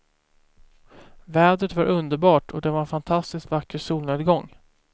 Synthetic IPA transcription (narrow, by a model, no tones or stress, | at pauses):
vɛːd̪ɾət̪vaɾʔɵnd̪əɾbɑːʈʰɔd̪ɛvaɾɛnfant̪ʰast̪ɪskvakːəɾsuːlneːd̪ɡɔŋː